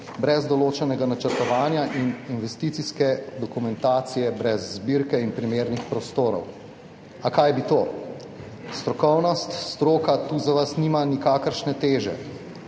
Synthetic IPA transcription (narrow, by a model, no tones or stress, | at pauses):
bɾɛzd̪ɔloːt͡ʃɛnɛɡanat͡ʃəɾt̪ɔʋaːnjaʔininʋɛst̪iːt̪siskɛd̪ɔkumɛnt̪aːt̪sijɛbɾɛzːbiɾkɛinpɾimeːɾnixpɾɔst̪oːɾɔ̰w | akaːjbit̪oː | st̪ɾɔkɔwnɔst̪st̪ɾoːkat̪uːzaʋasnimanikaːkəɾʃnɛt̪eːʒɛ̰